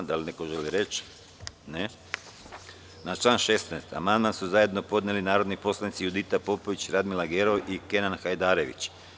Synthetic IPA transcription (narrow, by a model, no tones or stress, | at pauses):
d̪alinekoʒeliɾe̞t͡ʃ | ne | nat͡ʃlˠaːnʃe̞snɛest̪a̰mand̪mansuzaje̞d̪no̞po̞d̪nelinaːɾo̞d̪nipo̞slˠanit̪sijud̪it̪apo̞po̞ʋit͡ɕɾad̪milaɡeɾo̞ʔike̞nanxajd̪aːɾe̞ʋḭt͡ɕ